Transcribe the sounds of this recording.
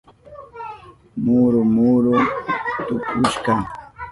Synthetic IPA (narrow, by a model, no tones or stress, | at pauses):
muɾʊmuːɾʊtt̪ʊkʊʃkɑ